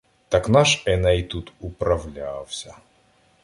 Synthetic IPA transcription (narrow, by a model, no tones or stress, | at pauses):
t̪aknaʂɛnɐit̪ut̪upɾɐvlʲawsʲɐ